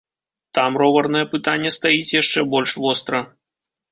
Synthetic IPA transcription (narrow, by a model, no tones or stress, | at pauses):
t̪amrɔvɐrnɐjɛpɨt̪anʲːɛst̪ajit͡sʲjaʂt͡ʂɛbɔlʲʂvɔst̪ɾɐ